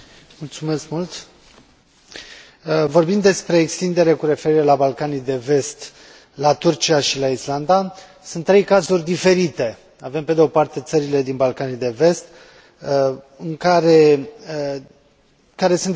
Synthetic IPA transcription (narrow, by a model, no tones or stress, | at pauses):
mult̪sume̞skmult̪ | vo̞rbind̪e̞spɾe̞ːkst̪ind̪e̞ɾe̞kuɾe̞fe̞ɾiɾe̞labalkanijd̪e̞ve̞st̪ | lat̪urt͡ʃiaʃilaisland̪a | sunt̪ːɾe̞jkazurʲd̪ife̞ɾit̪e̞ | ave̞mpe̞d̪eo̞part̪e̞t̪səɾile̞d̪inbalkanijd̪e̞ve̞st̪ | ɨŋkaɾe̞ | kaɾe̞sunt̪